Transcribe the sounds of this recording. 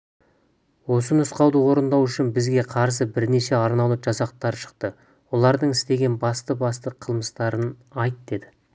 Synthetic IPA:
wo̞sənʊsqɑwd̪əwo̞ɾənd̪ɑwʏʃɪnbɪzɡʲe̞qʰɑɾs̬əbɪɾne̞ʃe̞ɑɾnɑlˠəʒ̥ɑsɑq̚t̪ɑɾʃə̥q̚t̪ə | wo̞lˠɑɾd̪əɴɪst̪e̞ɡʲe̞nbɑst̪əbɑst̪əqʰəlˠməst̪ɑɾənɑjt̪d̪e̞d̪ɪ

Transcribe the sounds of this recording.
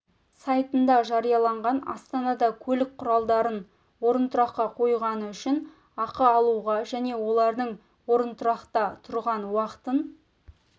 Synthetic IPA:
sɑjt̪ənd̪ɑʒɑɾijɑlˠɑɴʁɑnɑ̰st̪ɑnɑd̪ɑkʲʰɵlɪk̚qʰʊɾɑlˠd̪ɑɾən | wo̞ɾənt̪ʰʊɾɑqqːɑqʰo̞jʁɑnəʏʃɪn | ɑqəɑlˠuʁɑʒæne̞wo̞lˠɑɾd̪əɴ | wo̞ɾənt̪ʰʊɾɑqt̪ɑt̪ʰʊɾʁɑnwɑqə̥t̪ən

